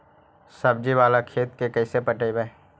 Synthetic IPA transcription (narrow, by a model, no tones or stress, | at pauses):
sɐb̚d͡ʒiʋaːlakʰeːt̪kekɛisepəʈəibɛː